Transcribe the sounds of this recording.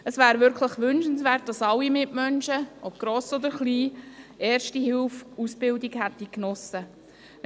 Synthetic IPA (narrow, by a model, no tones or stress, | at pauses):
əsʋæːɾʋʏɾkʰləχʋʏnʃən̩sʋæːɾt̚d̥ɑsɑlːimɪʔmœnʃəʔɔb̥ɡ̥ɾɔːsɔd̪əɾχliːɛːɾʃtihɪlfusbɪldiɡhæt̪ːiknɔsə